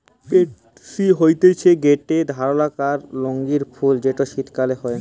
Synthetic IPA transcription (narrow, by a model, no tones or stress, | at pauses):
peʈ | siɦojt̪et͡ɕʰeɡeʈed̪ʱaɾolakaɾloŋɡiɾfʰuld͡ʑeʈoʃit̪kaleɦɔe